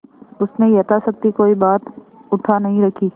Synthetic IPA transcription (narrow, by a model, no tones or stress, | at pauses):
ʊsnẽjɐt̪asɐk̚t̪ikoːibaːt̪ | ʊʈʰanɐɦĩɾɐkʰiː